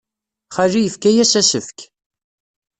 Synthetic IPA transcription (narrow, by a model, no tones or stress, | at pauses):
χaʒijəfkæjæsæsəfk